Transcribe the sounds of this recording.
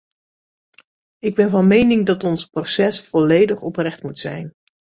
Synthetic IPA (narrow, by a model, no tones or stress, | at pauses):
ɪɡ̚bɛnvɑnmejnɪŋdɑtɔnsprosɛsfɔlejdəχɔprɛχtmutsɛ̰jn